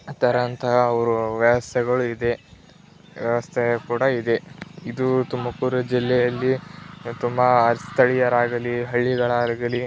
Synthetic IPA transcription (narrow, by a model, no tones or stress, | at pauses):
t̪ɐɾɐnt̪ʰɐɦɐːʋɐɾuʋjɛʋɐst̪ʰɛɡɐɭuid̪e̞ | ʋjɛʋɐst̪ʰɛɐkuːɽɐid̪eid̪ut̪umɐkuɾɐd͡ʒilːɛjɐlːit̪umbɐːst̪ʰɐɭijɐɾaːɡɐliɦɐɭːiɡɐɭaːɾɡɐli